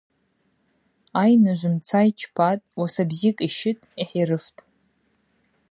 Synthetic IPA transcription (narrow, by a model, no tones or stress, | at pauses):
ajnɨʒʷɨmt͡sʰajt͡ʃʰpʰatʼwasabzikʼiʃɪtʼiħiɾɨftʼ